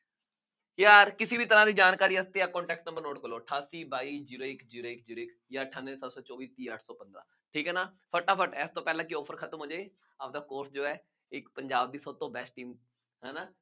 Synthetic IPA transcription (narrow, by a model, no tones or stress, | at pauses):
jaːɾkɪsiːbʱiːt̪əɾãːd̪iːd͡ʒaːnkaːɾiːəst̪eːaːkɔ̃ːɳʈɛːk̚ʈnə̃mbəɾnoːʈkəloːʈʰaːsiːbaːiːd͡ʒiːɾoːɪkd͡ʒiːɾoːɪk̚d͡ʒiːɾoːɪk | jaːʈʰaːnʋeːsət̪sɔːt͡ʃɔːʋiːt̪iːəʈʰsɔːpənd̪ɾã̰ː | ʈʰiːkɛːnaːpʰəʈːaːpʰəʈɛːst̪õːpɛːlãːkɪɔːpʰəɾkʰət̪əmɦoːd͡ʒeː | aːp̚d̪aːkoːɾsd͡ʒoːɛː | ɪkpəɲd͡ʒaːb̚d̪iːsəbt̪õːbɛsʈʈiːm | ɦɛːnaː